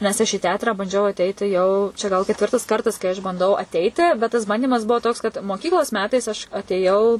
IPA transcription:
nʲɛs ɐʃ iː ˈtʲɛɐtrɑː bɐnʲˈd͡ʒʲɛʊ ɐˈtʲɛɪtʲɪ jɛʊ t͡ʃʲɛ ɡɐlˠ kʲɛtʲˈʋʲɪrtɐs ˈkɐrtɐs kɐɪ ɐʃ bɐnˈdɐʊ ɐˈtʲɛɪtʲɪ bʲɛt tɐs ˈbɐnʲdʲiːmɐs ˈbuɔ toːks kɐt moːˈkʲiːklˠoːs ˈmʲæːtɐɪs ɐʃ ɐtʲeːˈjɛʊ

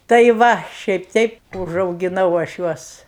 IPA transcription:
tɐɪ ˈʋɐ ʃʲɛɪp ˈtʲɛɪp ʊʒɐʊɡʲɪˈnɐʊ ɐʃ ˈjuɔs

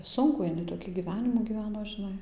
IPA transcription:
ˈsʊŋkuː ɪˈnɐɪ toːˈkʲiː ɡʲiːˈʋʲæːnʲɪmuː ɡʲiːˈʋʲæːnoː ʒʲɪˈnɐɪ

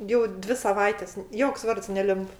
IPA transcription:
ˈjɛʊ ˈdʲʋʲɪ sɐˈʋɐɪtʲɛs ˈjoːks ˈʋɐrts nʲɛˈlʲɪmp

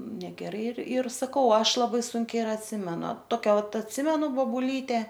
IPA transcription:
nʲɛɡʲɛˈrɐɪ ɪr ɪr sɐˈkɐʊ ˈɐʃ lˠɐˈbɐɪ ˈsʊŋʲkʲɛɪ ɪr ɐtʲˈsʲɪmʲɛnʊ ˈtoːkʲɛ ˈʋɐt ɐtʲˈsʲɪmʲɛnʊ boːbʊˈlʲiːtʲɛ

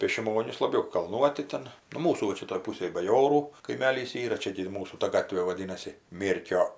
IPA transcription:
pʲeː ʃʲɪˈmoːnʲɪs lˠɐˈbʲɛʊ kɐlˠˈnuɔtʲɪ ˈtʲɛn nʊ ˈmuːsuː ʋɐ ˈt͡ʃʲɛ toːj ˈpuːsʲeːj bɐˈjoːruː kɐɪˈmʲæːlʲiːs ˈiːrɐ ˈt͡ʃʲɛ ɡʲɪ ɪr ˈmuːsuː tɐ ˈɡɑːtʲʋʲeː ʋɐˈdʲiːnɐsʲɪ ˈmʲeːrʲkʲoː

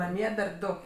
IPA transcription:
nɐˈmʲiɛ dɐr ˈdʊ

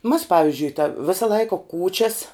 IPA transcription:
mɐs ˈpɑːʋʲɪzʲd͡ʒʲʊɪ tɐ ˈʋʲɪsɐ ˈlˠɐɪkɐ ˈkuːt͡ʃʲɛs

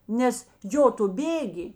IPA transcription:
ˈnʲɛs ˈjoː tʊ ˈbʲeːɡʲɪ

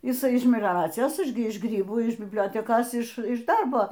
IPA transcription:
jɪˈsɐɪ ɪʃ mʲɛlʲoːˈrɑːt͡sʲɪjoːs ˈɐʃ ɡʲɪ ˈɪʃ ˈɡrʲiːbuː ɪʃ bʲɪbʲˈlʲoːtʲɛkoːs ɪʃ ˈɪʃ ˈdɐrboː

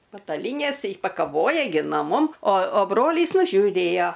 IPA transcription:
pɐtɐˈlʲiːnʲeːs ɪ pɐkɐˈʋoːjɛ ɡʲɪ noː ˈmʊm oː oː ˈbroːlʲiːs nʊʒʲuːˈrʲeːjoː

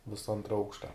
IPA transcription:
ˈʋʲɪsɐ ˈɐntrɐ ˈɐʊkʃtɐ

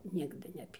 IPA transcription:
ˈnʲɪɡdɨ nʲɛˈpʲiː

